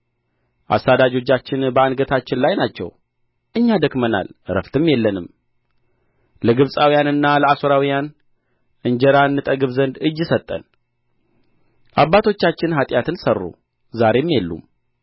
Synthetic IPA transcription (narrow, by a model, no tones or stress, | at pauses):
ʔa̰sːad̪ad͡ʒo̞t͡ʃːat͡ʃːɪnbəanɡət̪ʰat͡ʃːɪnlajnat͡ʃːɛ̰w | ʔɨɲːad̪əkməna̰lɾə̰ft̪ʰɨmjɛlːənɨm | ləɡɨβsʼawijanɨnːaləasoɾawijan | ʔɨɲd͡ʒəɾanːɨt̪ʼəɡɨβzənd̪ɨd͡ʒɨsət̪ʼːə̰n | ʔaβːat̪ʰo̞t͡ʃːat͡ʃːɪnɦat̪ʼjat̪ʰɨnsərːṵ | zaɾe̞mːjɛlːṵm